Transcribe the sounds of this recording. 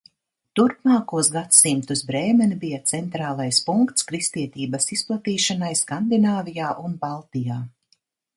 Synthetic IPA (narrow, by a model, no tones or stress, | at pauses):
t̪uɾpmaːkuɔsɡat̪simt̪usbɾɛːmɛnibijat̪sɛnt̪ɾaːlˠajspuŋkt̪skɾist̪iɛt̪iːbɐsisplˠat̪iːʃanajskand̪inaːvijaːʔunbalˠt̪ijaː